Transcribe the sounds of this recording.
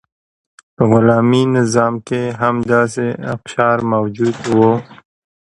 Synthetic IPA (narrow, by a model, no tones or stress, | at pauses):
pəɣʊlaːminɪzɑːmkeɦamd̪ɑːseɐ̰kʃɑːɾmawd͡ʒud̪wo